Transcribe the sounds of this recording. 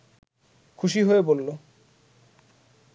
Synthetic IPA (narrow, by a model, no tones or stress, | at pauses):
kʰuʃ̬iɦoebolːo